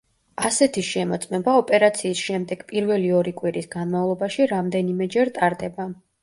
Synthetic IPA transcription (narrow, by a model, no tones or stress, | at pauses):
asɛt̪ʰiʃɛmɔt̪sʼmɛbaɔpʼɛɾat̪sʰiːsʃɛmd̪ɛɡ̥pʼiɾvɛliɔɾikʼwiɾisɡanmavlˠɔbaʃiɾamd̪ɛnimɛd͡ʒɛɾt̪ʼaɾd̪ɛba